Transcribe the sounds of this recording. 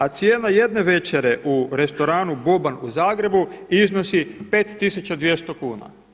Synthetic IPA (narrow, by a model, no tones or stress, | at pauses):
at̪sjeːnaje̞d̪ne̞ʋe̞t͡ʃeɾe̞ʔuɾe̞st̪o̞ɾaːnubobanuzaːɡɾe̞buizno̞sipe̞ːt̪ːisut͡ʃad̪ʋje̞st̪o̞kuːna̰